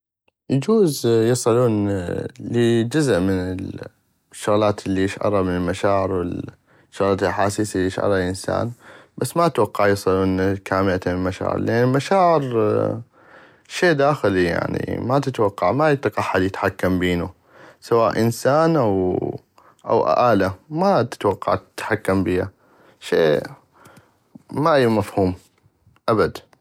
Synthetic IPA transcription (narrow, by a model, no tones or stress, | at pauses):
jad͡ʒuːzjɨsˤɨluːnləd͡ʒʊzʔmɪnɪl | ʃːʊɣlaːt̪lːiʔeʃʔɑ̰ɾˤɑmɪnɪlmaʃaːʕɪɾwɪl | ʃːʊɣlaːt̪lʔaħaːsisliʔeʃʔɑ̰ɾˤɑlʔɪnsa̰ːnbasːmat̪wɑqːɑʕjɑsˤɨluːnkaːmɪlat̪mlmaʃa̰ːʕɪ̰ɾlʔanːɪlmaʃaːʕɪɾ | ʃeːʔd̪aːxɪlija̰ʕnḭmat̪ɪt̪wɑqːɑʕmajɪt̪ːqɑħːaljɪt̪ħakːambiːnu | sawaːʔʔɪnsaːnʔaw | ʔa̰wʔa̰ʔaːlamat̪ɪ̥t̪wɑqːɑ̰ʕt̪ɪ̥t̪ħakːambiːha̰ | ʃḛː | maʔijmafhuːm | ʔabad̪